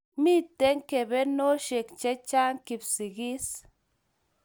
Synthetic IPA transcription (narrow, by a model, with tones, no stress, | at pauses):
mi˦t̪t̪e˦ŋke˨be˦no˦ʃe˨kt͡ʃe˦t͡ʃa˦ŋki˨bsi˨ɡi˦s